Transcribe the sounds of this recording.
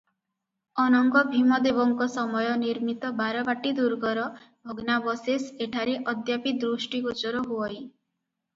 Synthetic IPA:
ɔnɔŋɡɔbʱimɔd̪ebɔŋkɔsɔmɔjɔniɾmit̪ɔbaɾɔbaʈid̪uɾɡɔɾɔ | bʱɔɡnabɔseseʈʰaɾeʔɔd̪japid̪ɾusʈikot͡ʃɔɾɔɦuɔj

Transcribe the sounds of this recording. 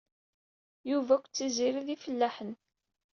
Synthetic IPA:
juvækʷːt͡sːiziɾiðifəlːæħən

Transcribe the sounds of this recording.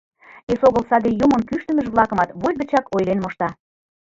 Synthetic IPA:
esoɣəlsɑd̪ejumŏnkyʃt̪ə̆məʒβlˠɑkə̆mɑt̪βolʲbə̆t͡ɕɑkojlenmoʃt̪ɑ

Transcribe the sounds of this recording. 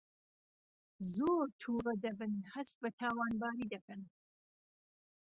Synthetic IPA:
zoːɾt̪ʰuːʁɐd̪ɐbɨnhɐsbɐt̪ʰaːwɑːnbɑːɾiːd̪ɐkɐn

